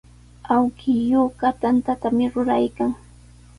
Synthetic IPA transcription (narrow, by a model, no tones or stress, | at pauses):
awkɪjokat̪ant̪at̪amɪɾʊɾajkaŋ